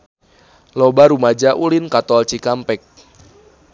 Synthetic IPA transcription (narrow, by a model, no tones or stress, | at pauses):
lɔbaɾumad͡ʒaʔulinkat̪ɔlt͡ʃikampɛk̚